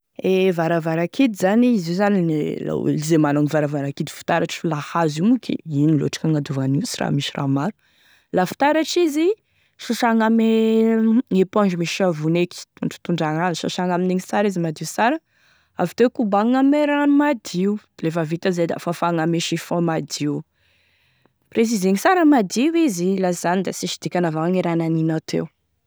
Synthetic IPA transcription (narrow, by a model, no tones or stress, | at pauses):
evaɾavaɾakid̪izaniizizanila̰lizemananivaɾavaɾakid̪i̥fi̥t̪aɾaʈ͡ʂfulahazimukḭinilo̰aʈ͡ʂḁkaŋad̪uvaniwsira̰miʃira̰maɾu̥ | lafi̥t̪aɾaʈ͡ʂizi | ʃaʃaŋame | epɔ̃d͡ʒumiʃavuneki̥t̪uɳɖ͡ʐ̥t̪uɳɖ͡ʐaŋanʃṵʃaŋamineŋisaɾizimad̪iusaɾə | a̰vi̥t̪ewkubaŋameɾanumad̪iu | lefavit̪azed̪a̰fafaŋameʃifɔ̃mad̪iu | pres̬izeŋisaɾəmad̪iwizilaz̥anid̪asiʃid̪̥ikʲanavaaŋeɾananinat̪ʰḛw